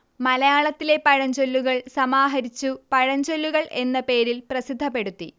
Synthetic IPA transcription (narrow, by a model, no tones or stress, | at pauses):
mɐlɐjaːɭɐt̪ːile̞pɐɻɐɲd͡ʑolːuɣɐɭsɐmaːɦɐɾit͡ɕːupɐɻɐɲd͡ʑo̞lːuɣɐɭʔe̞nːɐpe̞ːɾilprɐsid̪ʱːɐpːe̞ɽut̪ːi